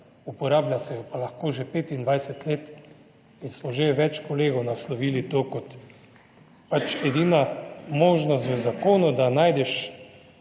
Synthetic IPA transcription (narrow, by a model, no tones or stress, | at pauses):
upɔɾaːblʲjasɛjɔpalaxkoːʒepeːt̪ind̪ʋajsɛt̪leːt̪ | insmɔʒeʋɛt͡ʃkɔleːɡɔwnaslɔʋiːlit̪oːkɔt̪ | pat͡ʃɛd̪inamoːʒnɔst̪ʋɛzakoːnɔd̪anaːjd̪ɛʃ